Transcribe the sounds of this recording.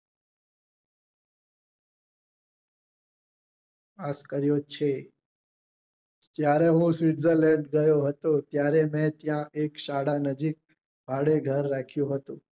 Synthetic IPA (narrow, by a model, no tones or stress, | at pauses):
askəɾjot͡ʃʰe | d͡ʒjaɾeɦũsʋiʈzəlɛ̃ɖɡəjoɦət̪ot̪jaɾemɛ̃t̪jãʔekʃaɽanəd͡ʒik̚ | bʱaɽeɡʱəɾːakʰjũɦət̪ũ